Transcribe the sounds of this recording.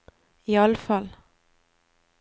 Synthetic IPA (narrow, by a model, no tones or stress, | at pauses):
iːɑləfɑl